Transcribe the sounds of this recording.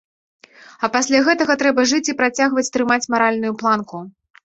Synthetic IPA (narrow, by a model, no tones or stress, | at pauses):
ɐpasʲlʲaɣɛt̪ɐɣɐt̪ɾɛbɐʐɨt͡sʲipɾat͡sʲaɣvɐt͡sʲt̪ɾɨmat͡sʲmaɾalʲnujuplˠanku